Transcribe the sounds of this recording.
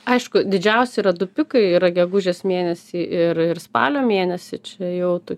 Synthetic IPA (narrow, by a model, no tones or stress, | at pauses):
ɐɪʃkʊd̪ʲɪd͡ʒʲɛʊsʲɛɪɾɐd̪ʊpʲɪkɐɪiːɾɐɡʲɛɡʊʒʲeːsmʲeːnʲɛsʲiːʔɪɾɪrspɑ̰ːlʲoːmʲeːnʲɛsʲɪt͡ʃʲɛjɛʊt̪oːkʲ